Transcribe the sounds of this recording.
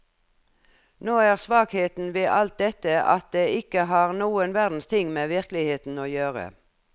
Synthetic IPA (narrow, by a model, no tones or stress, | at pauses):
noːæːʁsʋɑːkheːt̪n̩ʋeːʔɑlt̪̚d̪ɛt̪əʔɑ̰t̪̚d̪eːʔɪkəɦɑːʁnuːənʋæʁd̪n̩st̪ʰɪŋːmeːʋɪʁklɪheːt̪n̩oːjøːʁə̰